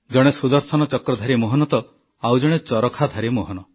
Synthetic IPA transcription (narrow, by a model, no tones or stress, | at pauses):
d͡ʒɔɽ̃esud̪ɔɾsɔnɔt͡ʃɔkɾɔd̪ʱaɾimoɦɔnɔt̪ɔ | awd͡ʒɔɽ̃et͡ʃɔɾɔkʰad̪ʱaɾimoɦɔnɔ